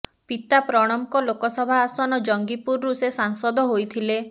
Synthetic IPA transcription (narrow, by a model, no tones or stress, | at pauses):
pit̪apɾɔɽ̃ɔmkɔlokɔsɔbʱaːsɔnɔd͡ʒɔŋɡipuɾːusesaŋsɔd̪ʱɔɦojt̪ʰile